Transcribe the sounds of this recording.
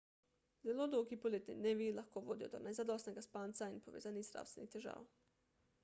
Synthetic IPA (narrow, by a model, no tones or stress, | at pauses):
zelod̪oɡipoleːt̪nḭd̪neːʋilaxkoʋoːd̪iod̪onajzad̪ost̪neɡaspaːnt̪sainpoʋḛːzaːnizd̪ɾa̰wst̪ʋenixt̪eʒa̰ːw